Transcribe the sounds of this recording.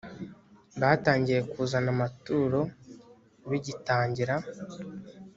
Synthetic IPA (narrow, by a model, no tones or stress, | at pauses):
βaːtaːɲɟije̞kuːzanamatuːɾo̞ | βiɟitaːɲɟiɾa